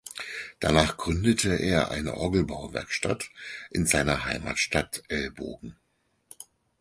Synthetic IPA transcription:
d̥anaːχɡ̥ʁʏndətʰəʔeːɐʔa̰ɪnə̰ʔɔɡl̩baʊvɛ̰ɐkʃta̰tʔɪnzaɪnɐɦaɪma̰ːtʃtatʔɛlbo̰ːɡŋ̩

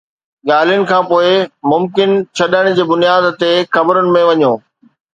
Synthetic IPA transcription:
ɠaːl̤ijʊnɪ̆kʰãːpoːɪmʊmkɪnt͡ɕʰɐɗəɪɽ̃ɪ̆d͡ʑeːbʊnijaːd̪t̪exɐbəɾʊnɪ̆mẽʋɐɲoː

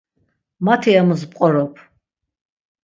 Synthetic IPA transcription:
mat̪ʰiamuzpʼqʼɔɾɔpʰ

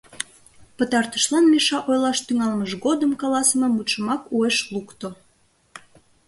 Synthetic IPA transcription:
pət̪ɑrt̪ə̥ʃlɑnmiʃɑʔojlɑʃt̪yŋɑlməʃɣod̪əmkɑlɑsəmemut̪ʃəmɑkueʃlukt̪o

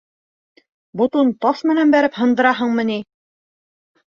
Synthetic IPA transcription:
bŏt̪unt̪ɑʃmɘ̆nænbæɾɘphɤ̆nd̪ɤ̆ɾɑɦɤɴmɤ̆ni

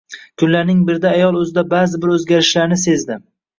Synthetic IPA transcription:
kʰʊnlaɾnɪŋbɪɾd̪aːjɒlˠɵzɪd̪abazɪbɪɾɵzɡʲaɾɪʃlaɾnɪse̞zd̪ɪm

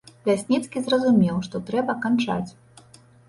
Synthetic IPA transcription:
lʲasʲnʲit̪skʲizrɐzumʲɛwʂt̪ɔt̪ɾɛbɐkant͡ʂa̰t͡sʲ

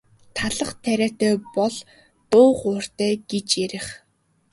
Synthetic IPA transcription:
t̪ʰaɮə̆χt̪ʰæɾʲæːt̪æːpɔɮ | t̪ʊːχʊːr̥t̪æːɡ̥et͡ɕjeɾɪ̆χ

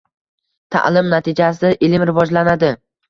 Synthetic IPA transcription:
t̪ʰa̰ʔlˠɪmnat̪ʰɪd͡ʒas̬ɪʔɪlɪmɾɪvɒd͡ʒlanad̪ɪ

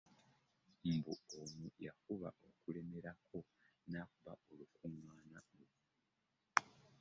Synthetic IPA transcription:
mbuomujakuβa̰ʔo̞kule̞me̞ɾakʰo̞naːkuβaolukuŋwaːnalo

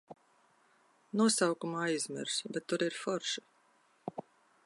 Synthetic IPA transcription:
nuɔsawkumaːizmʲḭɾsbʲɛt̪ːuɾiɾfɔɾʃi

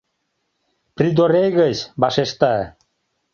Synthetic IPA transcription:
prid̪oɾejɣət͡ɕbɑʃeʃt̪ɑ

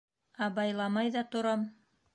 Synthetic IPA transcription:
æbɑjlˠɑmɑjðɑt̪ŏɾɑm

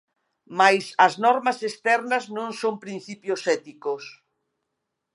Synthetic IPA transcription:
majsɐznɔɾmɐsest̪ɛɾnɐznõŋsompɾĩn̟θipjosɛt̪ikos

